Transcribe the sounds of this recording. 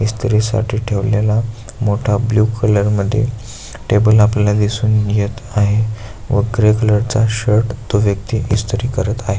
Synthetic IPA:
ist̪ʰəɾiːsa̰ʈʰiːʈʰeʋljala | moʈʰabljuːkʰələɾməd̪ʱːjḛ | ʈebəlaplalad̪isuːnjet̪aɦe | ʋəɡɾekələɾt͡saɕəɾʈt̪oʋjəkt̪iʔist̪ʰəɾiːkəɾət̪aɦe

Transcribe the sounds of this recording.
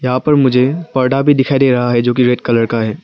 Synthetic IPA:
jɐɦãpɐɾmʊd͡ʒʱepɐɾɖabʱid̪ɪkʰaid̪eːɾɐɦaɦɛd͡ʒoːk̬iɾeːʈ̚kɐləɾkaɦɛː

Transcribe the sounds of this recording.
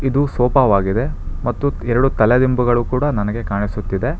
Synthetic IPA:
id̪usɔːpɐʋaːɡid̪e̞mɐt̪ːuɛɾɐɽut̪ɐled̪imbuɡɐɭukuːɽɐnɐnɐɡe̞kaːɳisut̪ːid̪e̞

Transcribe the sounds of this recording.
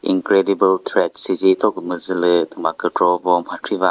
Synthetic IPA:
ḭŋkɾedibəltʰɾet̚sizitɔkmɯzɯlɯtumakɯtɾɔbɔmhatʰɾiba

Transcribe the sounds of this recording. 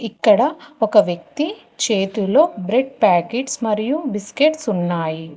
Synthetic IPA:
ikːɐɽɐɔkɐʋjɐk̚t̪i | t͡ʃe̞ːt̪ulo̞ːbɾeɖ̚paːkeʈsmɐɾijubiskeʈsunːaːji

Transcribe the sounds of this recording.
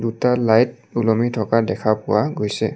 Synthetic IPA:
dutalajt̚ | ulɔmitʰɔkadɛkʰapʊwaɡojsɛ

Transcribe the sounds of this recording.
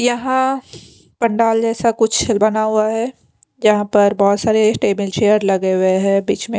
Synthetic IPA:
jɐɦã | pɐ̃ɳɖaːld͡ʒɛːsakʊt͡ʃʰɪlbɐnaɦʊaɦɛː | jɐɦãpɐɾbɔːt̪saːɾeʈeːbɪlt͡ʃeːjəɾlɐɡeɦʊeɦɛ̃ːbiːt͡ʃmẽ

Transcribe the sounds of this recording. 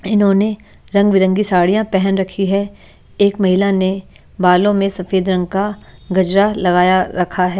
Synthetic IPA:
ɪnɦõne | ɾɐ̃ŋɡʋɪɾə̃ŋɡisaːɽijãpɛɦɛnɾɐkʰiɦɛ | eːkmɐɦɪlane | baːlõmẽsɐfeːd̪ɾɐ̃ŋɡ̚kaɡɐd͡ʒɾalɐɡaːjaɾɐkʰaɦɛː

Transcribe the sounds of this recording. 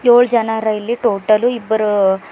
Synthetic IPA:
joːɭd͡ʒɐnɐɾɐjilːiʈoːʈɐluibːɐɾu

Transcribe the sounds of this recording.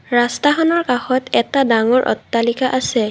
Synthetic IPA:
ɹastaxɔnɔɹkaxɔtɛtadaŋɔɹʔɔ̰tːalikaʔasɛ

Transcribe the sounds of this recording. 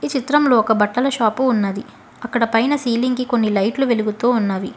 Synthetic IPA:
it͡ʃit̪ɾɐmloːɔkɐbɐʈːɐlɐʃaːpuːnːɐd̪i | ɐkːɐɽɐpɐjnɐsiːliŋkiko̞nːilɐjʈluʋeluɡut̪uːunːaːʋi

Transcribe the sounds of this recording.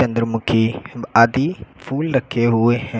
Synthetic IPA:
ɐ̃nd̪ɾmʊ̃kʰiaːd̪ipʰuːlɾɐkʰeɦʊeɦɛ̃

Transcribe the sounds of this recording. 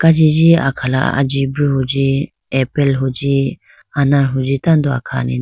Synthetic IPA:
kad͡ʒid͡ʒia̰kʰala̰a̰d͡ʒibɾuɦud͡ʒi | ɛpɛlɦud͡ʒi | anaɾɦud͡ʒit̪and̪ɔa̰kʰa̰ːnḭ

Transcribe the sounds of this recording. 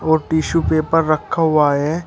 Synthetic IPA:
ɔːɾʈiːʃupeːpəɾːəkʰːaɦʊaːɦɛː

